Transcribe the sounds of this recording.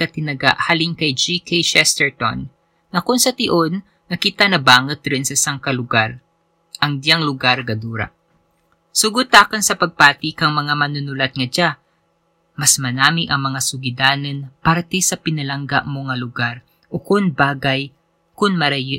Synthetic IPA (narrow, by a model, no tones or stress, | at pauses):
kɐt̪ɪnɐɡa̰ʔhaːlɪŋkɐjd͡ʒikʰejʃɛst̪ɛɹt̪o̰nː | ɐkʊnsɐt̪ɪʔonː | ɐkɪt̪anɐbaːŋɛt̪̚ɾɪnsɐsaŋkɐlʊɡaɾ | ʔɐŋd̪jaŋlʊɡaɾɡɐd̪uːɾɐ̰ | sʊɡʊt̪akɐnsɐpɐɡ̚paːt̪ɪkɐŋmɐŋamɐnʊnʊlɐt̪̚ŋɐd͡ʒa | mɐsmɐnaːmɪʔɐŋmɐŋasʊɡɪd̪aːnɪnpaɾt̪ɛsɐpɪnɐlɐŋɡa̰ʔmo̞ŋɐlʊɡaɾ | ʔokʊnbaːɡɐj | kʊnmɐɾɐ